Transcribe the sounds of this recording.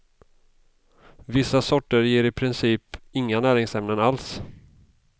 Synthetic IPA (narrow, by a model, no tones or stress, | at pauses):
vɪsːasɔʈːəɾjeːɾɪpʰɾɪnsiːpɪŋːanæːɾɪŋsɛmnənals